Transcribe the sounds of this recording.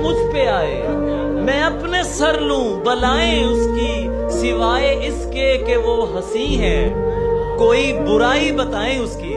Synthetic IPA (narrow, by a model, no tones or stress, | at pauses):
mʊd͡ʒʱpeaːḛː | mɛ̃ːɐpnesɐɾlũːbɐlaːẽʊski | sɪʋaːeɪskekeʋoɦɐsĩɦɛ̃ː | koːibʊɾaːibɐt̪aːẽʊskiː